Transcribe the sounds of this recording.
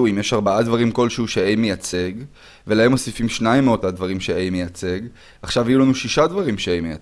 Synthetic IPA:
uimjeʃaʁbaʔad̪vaʁimko̞lʃehuʃeejmejat͡se̞ɡ | ve̞laɦe̞mo̞sifimʃnaimːeotad̪vaʁimʃeejmejat͡se̞ɡ | aχʃavajulanuʃiʃad̪vaʁimʃeejmeja

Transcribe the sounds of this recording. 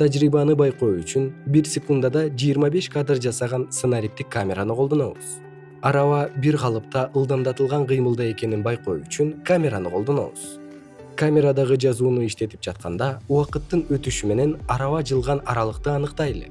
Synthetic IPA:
t̪ʰad͡ʒɾibɑnɯbɑjqo̞jyt͡ʃynbiɾsʲekund̪ad̪ɑd͡ʒijːɾmɑbe̞ʃkad̪rd͡ʒɑsɑʁɑnsənaɾʲip̚t̪ikːamʲe̞ɾanɯqʰolˠd̪o̞noβuz̥ | ɑɾɑvɑbiɾqʰɑlˠɯpt̪ɑʔɯlˠd̪ɑnd̪ɑt̪ɯlˠʁɑɴqɯjmɯlˠd̪ɑe̞ke̞ninbɑjqo̞jyt͡ʃyŋkamʲe̞ɾanɯqʰo̞lˠd̪o̞no̰wṵz̥ | kamʲe̞ɾad̪ɑʁɯd͡ʒɑzuːnuiʃt̪e̞t̪ip̚d͡ʒɑt̪̚qʰɑ̰nd̪ɑuwɑqɯt̪ːɯnø̞t̪yʃyme̞ne̞nɑɾɑvɑd͡ʒɯlˠʁɑnɑɾɑlˠɯqt̪ɯɑnɯqt̪ɑje̞le̞̰

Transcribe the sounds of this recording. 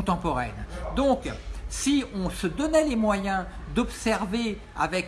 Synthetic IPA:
t̪ɑ̃pɔʁɛ̰nd̪ɔ̃ksiɔ̃səd̪ɔnɛlemwajɛ̃d̪ɔpsɛʁve | a̰vɛk

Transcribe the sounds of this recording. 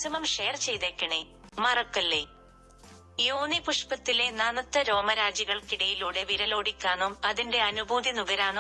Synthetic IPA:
sɐmɐmʂejrt͡ɕe̞jt̪eːkːɐɳe | mɐrɐkːɐlːe | joːnipuʂpɐt̪ːile̞naːnɐt̪ːɐɾo̞ːmɐɾaːd͡ʑɐɣɐɭkiɽɐjiluːɽe̞ʋiɾɐlo̞ːɽikʲːaːnumɐðinde̞ɐnubʱuːd̪ʱinuɡɐɾaːno

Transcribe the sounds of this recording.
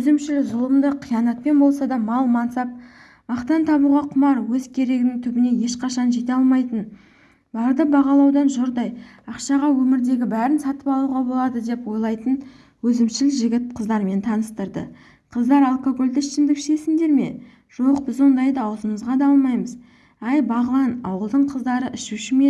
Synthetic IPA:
ɵzɪmʃɪlɪzʊlˠəmd̪əqʰijɑnɑt̪̚pe̞nbo̞lˠsɑd̪ɑmɑlˠmɑnsɑp̚ | mɑqt̪ɑnt̪ʰɑβuʁɑqʰʊmɑɾwɵzkʲʰe̞ɾe̞ɡʲɪnɪŋt̪ʰʏbɪne̞je̞ʃqɑʃɑnʒe̞t̪eɑlˠmɑjt̪ən | bɑɾd̪əbɑʁɑlˠɑwd̪ɑnʒoɾd̪ɑjɑqʃɑʁɑwɵmɪɾd̪e̞ɡʲɪbæɾɪnsɑt̪əpɑlˠuʁɑbo̞lˠɑd̪əd̪e̞pwo̞jlˠɑjt̪ən | wɵzɪmʃɪlʒɪɡʲɪt̪̚qʰəzd̪ɑɾme̞nt̪ʰɑnəst̪əɾd̪ə̰ | qʰəzd̪ɑɾɑlˠkoɡo̞lʲd̪ɪʃɪnd̪ɪkʃe̞sɪnd̪e̞ɾme̞̰ | ʒ̥o̞qbɪzwo̞nd̪ɑjd̪əɑwzəməzʁɑd̪ɑɑlˠmɑjməz | æjbɑʁəlˠɑnɑ̰wəlˠd̪əɴqʰəzd̪ɑɾəʔɪʃuʃɪme

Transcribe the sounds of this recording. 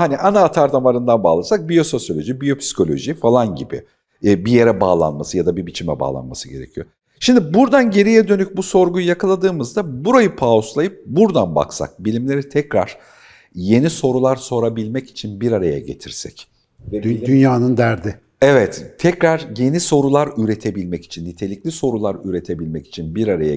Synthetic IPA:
haniʔanaːt̪ʰaɾd̪ʰamaɾɯnd̪anbaːlˠasak̚bijo̞so̞sjo̞lʲo̞ʒibijo̞pʰsi̥kʰo̞lʲo̞̰ʒifalˠanɟibɪ̰ː | bije̞ɾɛba̰ːlˠa̰nmasɯjad̪abibit͡ʃʰimɛ̰ba̰ːlˠa̰nmasɯɟe̞ɾe̞̰cʰijo̞̰ | ʃimd̪ibuɾd̪anɟe̞ɾijɛd̪ø̞nyc̚buso̞ɾɡujjakʰalˠad̪ɯːmɯzd̪abuɾajɯpʰaoslˠajɯp̚buɾd̪anba̰ksa̰k̚bilʲimlʲe̞ɾit̪ʰɛcɾa̰ɾ̥ | je̞niso̞ɾulˠaɾso̞ɾabilʲmɛci̥t͡ʃʰinbiɾaɾaja̰ɟe̞̰t̪ʰiɾsɛ̰c̪ | ynjaːnɯnd̪æɾd̪ɪ | evɛt̪t̪ʰːɛcɾaɾje̞niso̞ɾulˠaɾyɾe̞t̪ʰe̞bilʲmɛci̥t͡ʃʰinːit̪ʰe̞lʲiclʲiso̞ɾulˠaɾyɾe̞t̪ʰe̞bilʲmɛci̥t͡ʃʰinbiɾaɾaja̰

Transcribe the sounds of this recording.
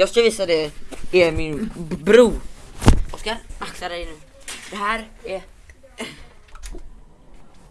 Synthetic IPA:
jɑːskaviːsad̪ɛɛmɪnbɾuː | ɔskaɾnaksaɾɛjnʉːd̪̥ɛɦæːɾɛ

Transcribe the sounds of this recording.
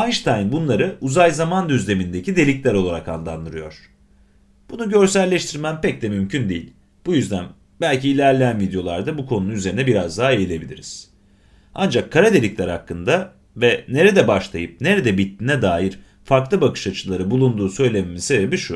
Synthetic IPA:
anʃt̪ʰajnbunlˠaɾɯuzajzamand̪yzlʲe̞mind̪e̞cid̪e̞lʲiclʲæɾo̞lˠaɾaka̰nlˠand̪ɯɾɯjo̞ɾ̥ | b̥unuɟø̞ɾsæɾlʲeʃt̪ʰiɾmæmpɛc̚d̪ɛmymcʰynd̪ejḭlʲ | b̥ujyzd̪æn | bælʲciːlʲæɾlʲeænvid̪jo̞lˠaɾd̪abukʰo̞nunuyze̞ɾinɛbiɾazd̪aːejilʲe̞bilʲḭɾiz̥ | and͡ʒakʰːaɾad̪e̞lʲiclʲæɾhakːɯnd̪a | vɛne̞ɾed̪ɛbaʃlˠa̰jɯp̚ne̞ɾed̪ɛbit̪ʰːiːnɛd̪aːjiɾ̥ | faɾklˠɯbakɯ̥ʃat͡ʃʰɯlˠaɾɯbulˠund̪uːsø̞jlʲeme̞mizse̞bebiʃu

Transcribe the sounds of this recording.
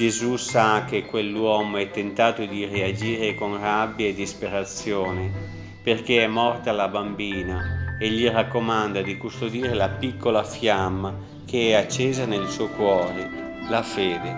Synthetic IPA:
d͡ʒezusak̟ːekːwelːwɔːmoɛt̪ːent̪aːt̪ʊd̪iread͡ʒiːɾekonrabːjaed̪ːispeɾat̪sjoːnɪ | perk̟eɛmːɔrt̪aalabambiːnaeʎːirakːomand̪ad̪ikust̪od̪iːɾelapikːolafjamːa | kʰeɛat͡ʃːeːzanelsukwɔːɾe | lafeːd̪e

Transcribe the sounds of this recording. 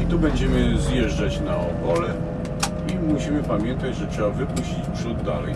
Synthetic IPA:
it̪ubɛɲd͡ʑɛmɘzjɛʐd͡ʐat͡ɕnaɔkɔlɛ | imuɕimɘpamʲjɛnt̪ad͡ʑʐɛtʂɛbavɘpuɕt͡ɕit͡ɕpʂud̪ːa̰lɛ̰j

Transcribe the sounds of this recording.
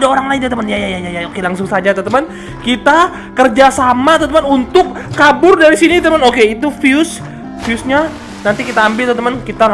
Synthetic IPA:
daoɾaŋlaɪnd̪at̪əmənjajajajajaokelaŋsʊŋsad͡ʒat̪ət̪əmən | kit̪a | kərd͡ʒasamat̪ət̪əmənunt̪ʊkːabʊrdaɾisinit̪əmənokeit̪ufiʊs | fiusɲa | nant̪ikit̪aːmbɪlt̪ət̪əmənkit̪a

